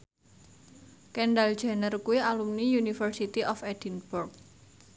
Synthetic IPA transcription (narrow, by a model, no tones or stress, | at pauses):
kɛɳɖald̥ʒ̥a̤nərkuwialumnijunifərsit̪iʔɔfɛd̥inburk̚